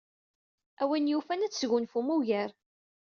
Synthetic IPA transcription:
æwænjufænæt͡sːʝʊnfumuʝəɾ

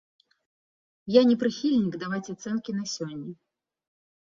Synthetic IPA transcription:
janʲɛpɾɨxʲilʲnʲikd̪avat͡sʲat̪sɛnkʲinɐsʲɔnʲːɛ

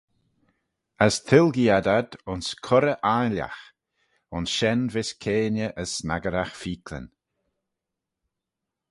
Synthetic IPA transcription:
əst̪ʰɪlɡiad̪ad̪ʊnskʰɔɾəʔaːnlja̰x | ʊnsʃɛnvɪskʰeːnəʔəsːnaɡəɾaxfiːkʰlə̰n

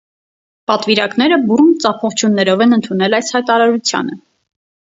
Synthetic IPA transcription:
pɑt̪viɾɑknɛɾəburnt͡sɑpʰɔχt͡ʃʰjunːɛɾɔvɛnənt̪ʰunɛlɑjshɑjt̪ɑɾɑɾut͡sʰjɑ̰nə

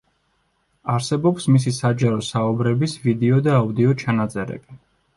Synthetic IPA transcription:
aɾsɛbɔpsmis̬isad͡ʒaɾɔsaubɾɛbisvid̪ɛɔd̪aːud̪iɔt͡ʃʰanat̪zʼɛɾɛ̰bi

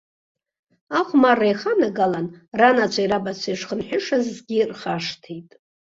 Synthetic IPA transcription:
aχʷmarajχanaɡalanranat͡ʃʷʰaiɾabat͡ʃʷʰaiʂχənħʷᶣʊʂazːɡʲirχaʂtʰejtʼ

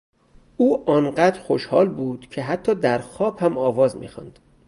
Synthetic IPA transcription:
ʔuːʔɒːnɢæːd̪ɾxoʃhɒːlbuːd̪̥cʰe̞ɦæt̪ʰːɒːd̪æɾxɒːbhæmɒːvɒːzmḭːxɒ̰nd̪̥

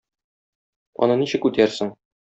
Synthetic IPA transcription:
ɒ̰nɤniɕɘ̆kʉt̪æɾsɘŋ

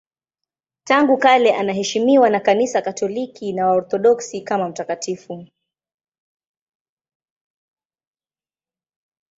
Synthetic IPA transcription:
taŋɡukalɛʔanaɦɛʃimiwanakanisakatʰɔlikʰinawaɔɾθɔɗɔksikamam̩takatifu

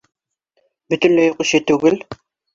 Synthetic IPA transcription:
bɵ̆t̪ɵnlæjoqɵ̆ʃɘt̪ʉɡɘl

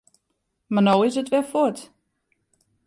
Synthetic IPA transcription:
manowɪsətʋɛfʊt

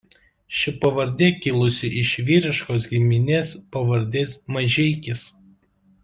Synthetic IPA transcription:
ʃʲɪpɐʋɐɾʲd̪ʲekʲɪlˠʊsʲɪʔɪʃʋʲiːɾʲɪʃkoːs̬ɡʲɪmʲɪnʲeːspɐʋɐɾʲd̪ʲeːsmɐʒʲɛɪkʲɪs

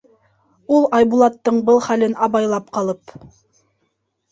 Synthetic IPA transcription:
ulˠɑjbulˠɑt̪ːɤɴbɤlˠχælɘnɑβɑjlˠɑpqɑlˠɤp

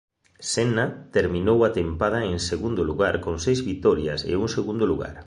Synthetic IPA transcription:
senat̪eɾmĩnowat̪empað̞aeŋseɣund̪oluɣaɾkoŋsejzβit̪ɔɾjasḛuŋseɣund̪oluɣa̰ɾ

